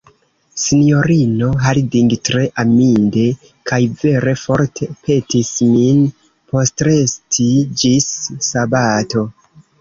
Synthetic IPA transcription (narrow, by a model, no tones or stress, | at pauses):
sinijo̞ɾino̞ɦalidiŋɡtɾe̞ʔaminde̞ | kʰajve̞ɾe̞fo̞ɾtʰe̞pʰe̞tismin | po̞stɾe̞stʰid͡ʒisːabato̞